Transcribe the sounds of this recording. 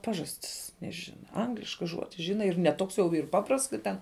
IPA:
ˈpɑːʒɐsʲtʲɪs nʲɛˈʒʲɪnɐ ˈɐŋɡlʲɪʃkɐ ˈʒuɔdʲɪ ˈʒʲɪnɐ ɪr nʲɛ ˈtoːks jɛʊ iːr ˈpɑːprɐsts kɐ ˈtʲɛn

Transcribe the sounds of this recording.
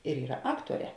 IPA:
ɪr ˈiːrɐ ˈɑːktuɔˌrʲɛː

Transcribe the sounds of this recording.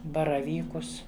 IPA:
bɐrɐˈʋʲiːkʊs

